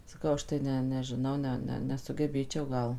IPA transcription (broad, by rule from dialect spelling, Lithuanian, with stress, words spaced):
sɐˈkɐʊ ˈɐʃ tɐɪ ˈnʲɛ nʲɛʒʲɪˈnɐʊ ˈnʲɛ ˈnʲɛ nʲɛsʊɡʲɛˈbʲeːt͡ʃʲɛʊ ˈɡɐlˠ